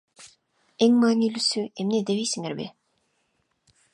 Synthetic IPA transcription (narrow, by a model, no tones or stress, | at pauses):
eŋmaːnilysyemned̪eβijsiŋeɾbɪ̰